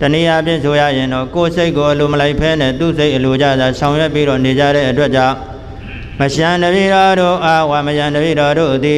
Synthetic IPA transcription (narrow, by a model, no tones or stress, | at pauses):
təniʔapjɪ̃sʰoja̰jɪ̃ndɔkoseɪʔkːoʔəloməlaɪpʰɛnɛ̰t̪ṵseɪʔəlod͡ʑä̰zasʰãʊ̃jwɛpːiɾɔned͡ʑa̰ɾɛ̰ʔətwɛʔ̚t͡ɕã | məʃãndəbḭɾɔɾoʔawaməʃãndəbḭɾɔɾo̰d̪i